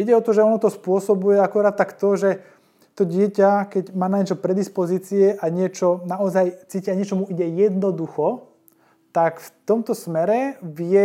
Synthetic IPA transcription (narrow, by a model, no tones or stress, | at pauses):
iɟɛɔt̪ɔʒɛɔnɔt̪ɔspʊɔsɔbujɛakuɾaːt̪̚t̪ːakt̪ɔʒɛ | t̪ɔɟɪɛcakɛɟmaːnaɲɪɛt͡ʃɔpɾɛd̪ispɔziːt͡siɛʔaɲɪɛt͡ʃɔnaɔzajt͡siːciaɲɪɛt͡ʃɔmuiɟɛjɛd̪nɔd̪uxɔ | t̪akft̪ɔmt̪ɔsmɛɾɛʋɪɛ